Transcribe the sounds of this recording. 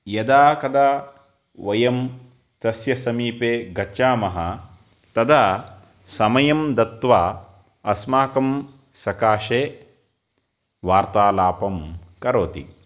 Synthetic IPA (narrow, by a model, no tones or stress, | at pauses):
jɐd̪aːkɐd̪aː | ʋɐjɐm | t̪ɐsjɐsɐmiːpeːɡɐtːʃaːmɐɦɐ | t̪ɐd̪aː | sɐmɐjɐmd̪ɐt̪ʋaː | ɐsmaːkɐm | sɐkaːʃeː | ʋaːɾt̪aːlaːpɐmkɐɾoːt̪ḭ